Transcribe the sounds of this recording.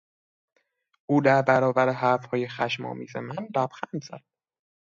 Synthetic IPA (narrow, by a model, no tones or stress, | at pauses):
ʔuːd̪æɾbæɾɒːvæɾeɦæɾfhɒːjexæʃmɒ̰ːmiːzḛmænd̪æb̥xænd̪z̥æ̰d̪̥̚